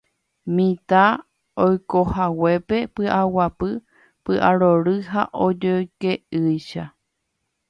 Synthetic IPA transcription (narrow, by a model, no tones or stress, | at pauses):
mĩt̪a | ojkohawe̞pe̞pɨʔawapɨ | pɨʔaɾoɾɨɦa̰ʔod͡ʒojkeʔɨjʃa